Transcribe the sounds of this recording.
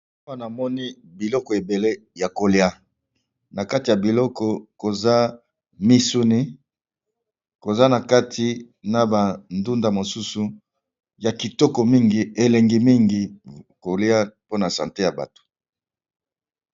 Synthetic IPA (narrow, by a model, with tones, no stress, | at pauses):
a˦na˨mɔ˦ni˦ | bi˨lɔ˦kɔ˨e˨be˨le˦ja˨ko˨li˦a˦ | na˨ka˦ti˨ja˨bi˨lɔ˦kɔ˨ko˨za˦ | mi˦su˦ni˦ | ko˨za˦na˨ka˦tʰi˨ | na˨ba˨ndu˦nda˨mo˨su˦su˨ | ja˨ki˨tɔ˦kɔ˨mi˦ŋɡi˨e˨le˨ŋɡi˨mi˦ŋɡi˨ko˨li˦a˦po˦na˨sã̰˨te˦ja˨ba̰˨to̥˨